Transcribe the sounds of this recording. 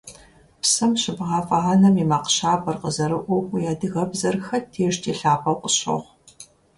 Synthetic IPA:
psɐmɕɪbʁɑːfʼɐʁɐnɐmimaːqɕaːbʰɐrqəzɐɾɨʔʷʊxʷʊjaːdɨɣɐbzɐrxɐtʰeːʃtʰeːɬaːpʰɐwqʷʼəɕo̰ʁ

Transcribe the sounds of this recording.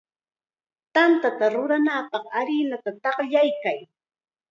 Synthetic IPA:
t̪ant̪at̪aɾʊɾanaːpɑχaɾɪnat̪at̪ɑχʎajkaj

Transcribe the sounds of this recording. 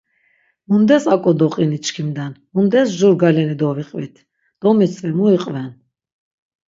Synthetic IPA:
mund̪ɛsakʼɔd̪ɔqʼinit͡ʃkʰimd̪anmund̪ɛsʒuɾɡalɛnid̪ɔviqʼvit̪ʰ | d̪̥ɔmisʰʼvɛmuiqʼvɛn

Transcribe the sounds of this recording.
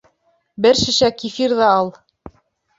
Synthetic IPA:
bɘɾʃɘ̆ʃækifiɾðɑɑlˠ

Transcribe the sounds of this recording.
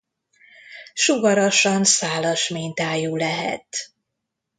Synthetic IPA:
ʃuɡɒɾɒʃɒnsaːlɒʃmiːnt̪aːjuːlɛɦɛ̰t̪

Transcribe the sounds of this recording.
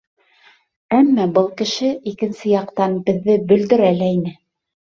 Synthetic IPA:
æmːɑbɤlˠkɘ̆ʃɘʔikɘ̆nsɘjɑqt̪ɑnbɘ̆ðːɘbɵ̆ld̪ɘ̆ɾælæinɘ

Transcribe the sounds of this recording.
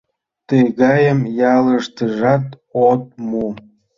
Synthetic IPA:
t̪əɣɑjəmjɑləʃt̪əʒɑt̪ | ot̪̚mu

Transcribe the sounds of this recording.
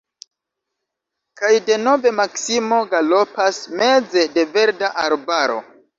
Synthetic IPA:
kajde̞no̞ve̞maksimo̞ɡalo̞pasme̞d͡ze̞de̞ve̞ɾdaʔaɾbaɾo̞̰

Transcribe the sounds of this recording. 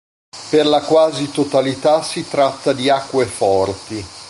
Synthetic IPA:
perlakwaːzit̪ot̪alit̪asit̪ɾat̪ːad̪iakːwefɔrt̪i

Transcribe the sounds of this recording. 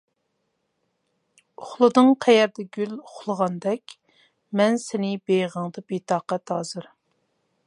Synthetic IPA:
ʊχlˠɨd̪ɨŋqʰɛjɛɾd̪ɛɡʲylʊχlˠəʁɑnd̪ɛkʲ | mɛnsɪnɪbejʁəŋd̪ɨbet̪ʰɑːqɛt̪ɑːzɨɾ

